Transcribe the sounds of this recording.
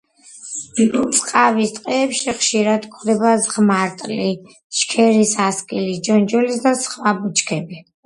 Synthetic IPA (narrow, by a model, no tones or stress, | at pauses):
t̪sʼqʼavist̪ʼqʼɛːpʃiχʃiɾad̪kʰwd̪ɛbazʁmaɾt̪ʼli | ʃkʰɛɾisaskʼilisd͡ʒɔnd͡ʒɔlisd̪asχwabut͡ʃʰʼkʰɛbi